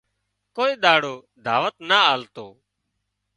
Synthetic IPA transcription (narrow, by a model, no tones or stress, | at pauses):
koːiːɗ̪aːɽoː | d̪ʱaːʋət̪naːaːlt̪oː